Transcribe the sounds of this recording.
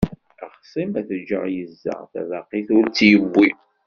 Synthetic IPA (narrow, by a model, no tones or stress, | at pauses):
æχsˤimæθd͡ʒːə̰ʁjəzːə̰ʁθæ̰vaqiθʊɾt͡sːjəbːi